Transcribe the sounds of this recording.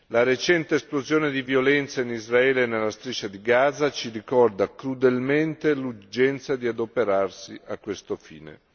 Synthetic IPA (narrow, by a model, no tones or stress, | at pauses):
laɾet͡ʃɛnt̪eːsplozjoːned̪ivjolɛnt̪sainizraɛːlenelːast̪ɾit͡ʃːad̪iɡaːzat͡ʃiɾikɔrd̪akɾud̪elment̪elud͡ʒɛnt̪sad̪iad̪opeɾarsiakːwest̪ofḭːnḛ